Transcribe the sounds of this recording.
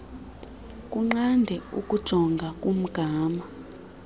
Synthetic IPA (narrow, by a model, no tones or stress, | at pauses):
kʼuŋ͡ǃandʱɛṵkʼud̥ʒ̥ʱɔŋɡʱakʼum̩ɡ̥ʱaːma